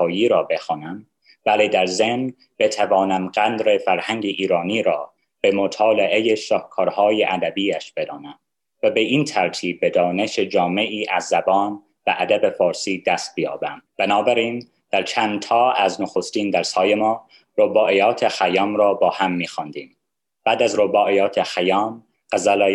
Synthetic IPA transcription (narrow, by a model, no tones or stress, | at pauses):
ɒːjiːɾɒːbe̞xɒːnæm | bæled̪æɾzemn | bet̪ʰævɒːnæmɢænd̪ɾe̞fæɾhæŋɟeʔiːɾɒːniːɾɒː | b̥e̞mot̪ʰɒːleʔejeʃɒːhkʰɒːɾhɒːjeʔæd̪æbiːæʃb̥e̞d̪ɒːnæm | væbeʔiːnt̪ʰæɾt̪ʰiːbːed̪ɒːne̞ʃed͡ʒɒːme̞ʔiːʔæzːæbɒːn | bæʔæd̪æbe̞fɒːɾsiːd̪æst̪̚bijɒ̰ːbæmb̥ænɒːbæɾiːn | d̪̥æɾt͡ʃʰændt̪ʰɒːæznoxost̪iːnd̪æɾshɒːjemɒː | ɾobɒːʔejɒːt̪ʰexæjɒːmɾɒːbɒːhæmːiːxɑːnd̪iːm | b̥æːd̪æzɾobɒːʔejɒːt̪ʰexæjɒːm | ɢ̥æzælː